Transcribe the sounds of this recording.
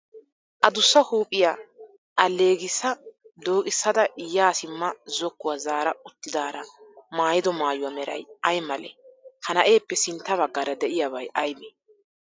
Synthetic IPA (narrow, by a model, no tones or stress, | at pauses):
ʔɐd̪ʊsːɐhuːpʼːɪja | ʔɐlːe̞ːɡɪsːɐd̪o̞ːkʼɪsːɐd̪ɐʔɪjːaːsɪmːɐzɔkːʊwazaːɾɐʊt̪ːɪd̪aːɾɐmaːjɪd̪ɔmaːjʊwɐmɛɾɐ̰jɐjmɐlɛ̰hɐnɐʔe̞ːpːɛsɪnt̪ːɐβɐɡːaːɾɐd̪ɛʔɪjaβɐjʔɐjbe